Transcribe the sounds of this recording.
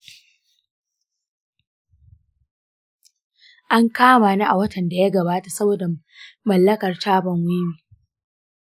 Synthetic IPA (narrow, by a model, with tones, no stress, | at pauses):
ʔa˦ŋkaː˦maː˨na˦ʔa˨wɐ˦tɐ˨nda˨ja˦ɡɐ˨baː˦ta˨sɐ˦boː˨da˨ | mɐ˨lːɐ˦kɐ˨rt͡ʃaː˦bɐ˨ŋwi˦miː˨